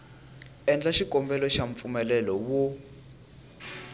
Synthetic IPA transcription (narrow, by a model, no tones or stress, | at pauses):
ɛnd͡ɮaʃikɔmbɛlɔʃaɱp̪fumɛlɛlɔwu